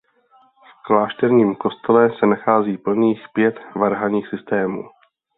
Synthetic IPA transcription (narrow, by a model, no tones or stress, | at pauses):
fklaːʃt̪ɛɾɲiːmko̞st̪ɛlɛsɛnaxaːziːpl̩niːxpjɛt̪vaɾɦaɲiːxsɪst̪ɛːmṵː